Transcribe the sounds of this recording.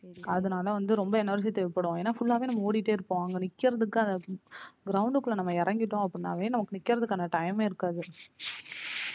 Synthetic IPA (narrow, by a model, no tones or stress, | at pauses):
ɐðɯnaːlɐʋɐnd̪ɯɾɔmbɐɛnɐɾd͡ʒit̪ɛʋɪpːɐɽõːeːnːaːfʊɭːaːʋeːnɐmːɐoːɽɪʈːeːɪɾɯpːõɐŋɡɐnɪkːɪɾɐðɯkːɯɐnd̪ɐɡɾɐʊɳɖɯkːɯɭːɐnɐmːɐɪɾɐŋɡɪʈːõːɐpːɯɽɪnːa̰ːʋeːnɐmɐkːɯnɪkːɪɾɐðɯkːɐnːɐʈɐjmeːɪɾɯkːaːðɯ